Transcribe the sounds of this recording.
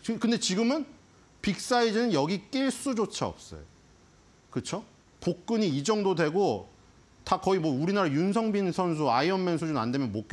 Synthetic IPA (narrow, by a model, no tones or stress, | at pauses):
kɯnde̞t͡ɕiɡɯmɯn | pik̚s͈aid͡ʑinɯnjʌɡik͈iɭs͈ud͡ʑot͡ɕʰaʌ̰p̚s͈ʌ̰jo̰ | kɯt͡ɕʰo | pok̚k͈ɯɲiːd͡ʑʌŋdodwe̞ɡo | takʌimwʌuɾinaɾajuns̬ʰʌŋbinsʰʌns̬ʰuaiʌnːensʰud͡ʑuna̰ndwe̞mjʌnmok͈e